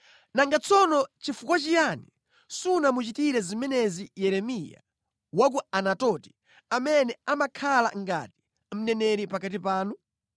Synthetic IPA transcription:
naŋɡat͡sʰɔnɔt͡ʃifukwat͡ʃijani | sunamut͡ʃitiɾɛzimɛnɛzijɛɾɛmija̰ | wak̬uanatɔti̥ | amɛnɛamakʰala̰ŋɡa̰ti̥ | m̩nɛnɛɾipakatipaːnu

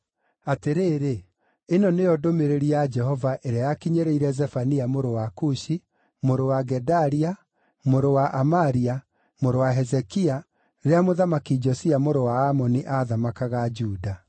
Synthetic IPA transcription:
ateɾeːɾeː | nɔnejɔdomeɾeɾiad͡ʒɛɦɔvaʔeɾeajakiɲeɾeiɾɛzɛfaniamoɾowakuʃi | moɾowaɡɛdaɾia | moɾowaʔamaɾia | moɾowaɦɛzɛkia | ɾeamoðamakid͡ʒɔsiamoɾowaːmɔniʔaðamakaɣad͡ʒuːda

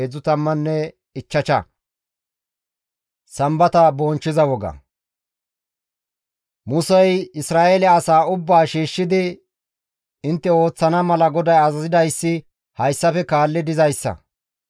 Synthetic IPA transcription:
ed͡zʊt̪ɐmːɐnːɛ | ɪt͡ʃːɐt͡ʃɐ | sɐmbɐt̪ɐbɔːnt͡ʃːɪzɐwɔɡɐ̰ | mʊsɛjɪsɾaːʔelɛɐsaːʊbːaːʃiːʃːɪd̪ɪ | ɪnt̪ːɛo̞ːt͡sːɐnɐmɐlɐɡɔd̪ɐjɐzɐzɪd̪ɐjsːɪ | hɐjsːɐfɛkaːlːɪd̪ɪzɐjsːɐ̰

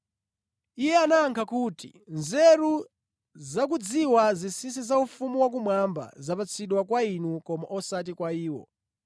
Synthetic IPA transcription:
ijɛanaːŋkʰakutḭnzɛɾu | zak̬ud͡ziwazisisizaufumuwak̬umwamba̰zapat͡sʰiɗwakwainukɔmaʔɔsat̬ikwaiːwɔ̰

